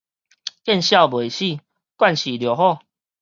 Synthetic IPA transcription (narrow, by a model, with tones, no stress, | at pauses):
kɛ˥˧˨nɕja˥˨bwe˨˩˨ɕi˥˧˨ | kwa˥˧˨nɕi˨˩ljo˨˩hɔ˥˨